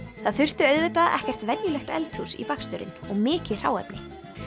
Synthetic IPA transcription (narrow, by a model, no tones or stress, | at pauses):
θaðθʏr̥t̪ʏœɥðvɪt̪aʔɛ̰hcɛr̥t̪vɛnjʏlɛxt̪ɛ̰lt̪husḭpakst̪ʏɾɪ̰nɔɣmɪːcɪr̥a̰ːwɛ̰pnɪ